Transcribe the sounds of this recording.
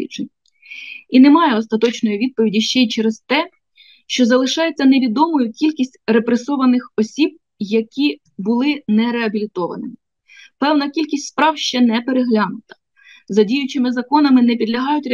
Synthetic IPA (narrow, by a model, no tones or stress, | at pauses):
ḭt͡ʃenʲ | inemɑjɛɔst̪ɐt̪ɔt͡ʃnɔjiʋʲid̪̚pɔʋʲidʲiʃt͡ʃɛjt͡ʃɛɾest̪ɛ | ʃt͡ʃɔzɐlˠɪʃɑjet͡sʲːɐneʋʲid̪ɔmɔjʊkʲilʲkʲisʲtʲrepɾesɔʋɐnɪxɔsʲib̚ | jɐkʲi | bʊlˠɪnɛɾeɐbʲilʲit̪ɔʋɐ̰nɪmɪ | pɛwnɐkʲilʲkʲisʲtʲspɾɑwʃt͡ʃɛnɛpeɾeɦlʲɑnʊt̪ɐ̥ | zɐdʲijʊt͡ʃɪmɪzɐkɔnɐmɪnɛpʲid̪lʲɐɦɑjʊtʲɾ